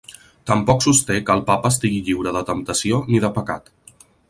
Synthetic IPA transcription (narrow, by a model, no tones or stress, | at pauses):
t̪əmpɔksust̪ekəːlˠpapəːst̪iɣiʎiwɾəðət̪əmt̪əsioniðəpəka̰t̪